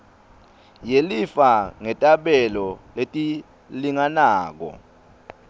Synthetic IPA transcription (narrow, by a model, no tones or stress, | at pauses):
jelifaŋɛtʼaɓɛlɔletʼi | liŋanaːk̬ɔ̰